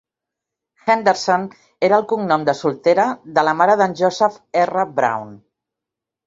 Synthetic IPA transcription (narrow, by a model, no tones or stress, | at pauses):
xɛnd̪eɾson | eɾəːlˠkuŋnɔmd̪əsulˠt̪eɾəðələmaɾəðənʲʒɔzəfɛrəbɾa̰wn